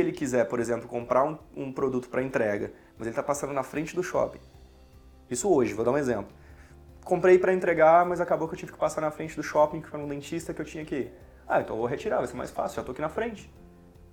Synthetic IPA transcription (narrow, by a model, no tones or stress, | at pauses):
sɪelɪkizɛɾpoɾezẽmplʊkõmpɾʔaɾũṵ̃pɾod̪ut̪ʊ̥pɾɐẽnt̪ɾɛɡɐ̰ | mɐzelɪt̪apasɐ̃nd̪ʊnɐfɾẽnt͡ʃɪd̪ʊʃɔ̰pḭ̃ | isʊoʒɪvod̪aũezẽmplʊ | kõmpɾejpɾɐẽnt̪ɾeɡamɐzakabowkɪewt͡ʃĩvɪkɪ̥pasaɾnɐfɾẽnt͡ʃɪd̪ʊʃɔpĩkɪ̥fojɾũd̪ẽt͡ʃist̪ɐkɪewt͡ʃĩɲɐkɪi | aẽnt̪voɦet͡ʃiɾaɾvajseɾma̰jsfa̰siuʊʒat̪oakinɐfɾẽnt͡ʃɪ̥